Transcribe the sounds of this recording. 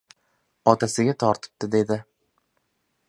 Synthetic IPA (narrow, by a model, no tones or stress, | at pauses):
ɒt̪ʰasɪɡʲat̪ʰɒɾt̪ʰɪ̥p̚t̪ɪd̪e̞d̪ɪ